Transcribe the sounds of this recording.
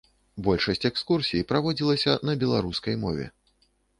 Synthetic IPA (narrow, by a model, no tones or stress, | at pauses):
bɔlʲʂɐsʲt͡sʲɛkskursʲijipɾavɔd͡zʲilˠɐsʲɐnɐbʲɛlˠa̰ɾuskɐjmɔvʲɛ̰